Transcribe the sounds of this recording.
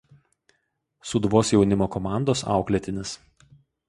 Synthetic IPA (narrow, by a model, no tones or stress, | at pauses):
sʊd̪ʋoːsjɛʊnʲɪmoːkɔmɑˑnd̪oːsɑ̰ˑʊklʲɛt̪ʲɪnʲɪs